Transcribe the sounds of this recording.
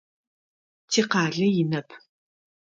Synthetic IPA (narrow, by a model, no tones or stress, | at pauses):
tʰiːqɑːɮɐjɪnɐpʰ